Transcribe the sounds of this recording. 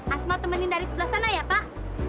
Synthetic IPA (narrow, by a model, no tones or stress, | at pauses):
ʔasmat̪əmənɪndaɾisəbəlahsanajapaʔ